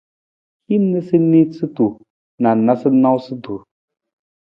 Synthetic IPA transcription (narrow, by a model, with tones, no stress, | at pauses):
hi˦m˦nə˦sɨ˦ni˦t͡sɨ˦tu˨ | na˨na˦sɨ˦na˦wsɨ˦du˨ɾ